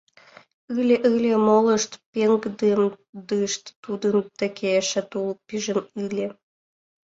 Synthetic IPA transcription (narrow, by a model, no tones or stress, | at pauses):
ɨlʲeʔɨlʲemolə̆ʃt̪peŋɡd̪emd̪ɨʃt̪ːud̪əmt̪ə̆kʲʰeʃə̆t̪ulpiʒə̆nɯlʲe